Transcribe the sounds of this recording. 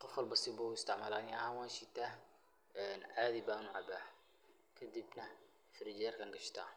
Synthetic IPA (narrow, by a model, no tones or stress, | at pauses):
qʊfalbɑsiːbawjɪst̪aʕmalaːniʔa̰waʃit̪a | nʕad̪ibaːnuʕaba | kʰad̪ibna | fɾid͡ʒeɾkanɡaʃt̪a̰